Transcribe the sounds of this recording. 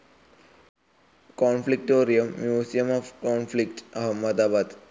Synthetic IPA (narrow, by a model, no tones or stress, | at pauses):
kɔːnflik̚ʈoːɾijəmːjuːsijəmɔfkɔːnflik̚ʈɐɦɐmːɐd̪aːbat̪